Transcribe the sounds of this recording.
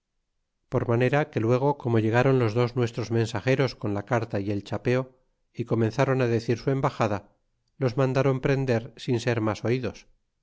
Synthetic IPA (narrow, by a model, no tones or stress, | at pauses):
po̞ɾmane̞ɾake̞lwe̞ɣ̞o̞ko̞mo̞ʝe̞ɣaɾo̞nlo̞zðo̞znwe̞st̪ɾo̞zmẽ̞nsaχe̞ɾo̞skonlakaɾt̪aie̞lt͡ʃape̞o̞ | iko̞mẽ̞nθaɾo̞naðe̞θiɾsue̞mbaxaða | lo̞zmãnd̪aɾo̞mpɾe̞nd̪e̞ɾsinse̞ɾmaso̞iðo̞s